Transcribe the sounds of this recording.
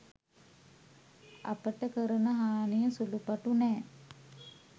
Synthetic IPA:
a̰pəʈəkəɾənəɦaːnijəsulupaʈunɛː

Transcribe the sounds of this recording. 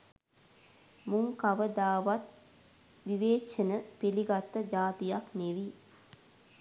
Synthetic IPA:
muŋkaʋəd̪aːʋat̪̚ | ʋiʋeːʃənəpeliɡat̪ːəd͡ʒaːt̪ijakneʋi

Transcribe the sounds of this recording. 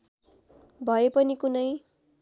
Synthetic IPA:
bʱʌepʌnikunʌj

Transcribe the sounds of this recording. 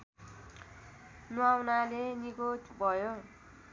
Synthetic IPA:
nuawnalenikot̪ʰbʱʌjo

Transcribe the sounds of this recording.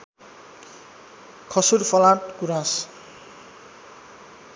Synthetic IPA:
kʰʌsurfʰʌlãʈkuɾãs

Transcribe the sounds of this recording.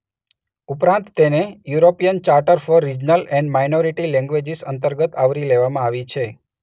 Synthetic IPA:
upɾãnt̪ːenejuɾopijənt͡ʃaɾʈəɾfɔɾːid͡ʒnəlɛ̃ɳɖmajnoɾiʈilɛ̃ŋɡʋed͡ʒisə̰nt̪əɾɡət̪aʋɾileʋamãaʋit͡ʃʰe

